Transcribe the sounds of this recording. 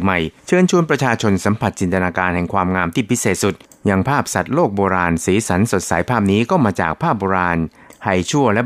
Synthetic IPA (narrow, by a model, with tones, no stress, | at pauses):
ma˨˩jt͡ɕʰɤː˧nt͡ɕʰu˧ənpɾa˧t͡ɕʰaː˧t͡ɕʰo˧nsa˩˦mpʰa˨˩t̪̚t͡ɕi˨nt̪ʰa˧naː˧kaː˧nhɛ˨˩ŋkʰwaː˧mŋaː˧mt̪ʰiː˥˩pʰi˦˥seː˨˩t̪̚su˨˩t̪̚ | ja˧ŋpʰaː˥˩p̚sa˨˩t̪̚loː˥˩k̚boː˧ɾaː˧nsiː˩˦sa˩˦nso˨˩t̪̚sa˩˦jpʰaː˥˩p̚niː˦˥kɔː˥˩maː˧t͡ɕa̰ː˨˩k̚pʰaː˥˩p̚boː˧ɾaː˧n | ha˧jt͡ɕʰu˥˩ɐlɛ˦˥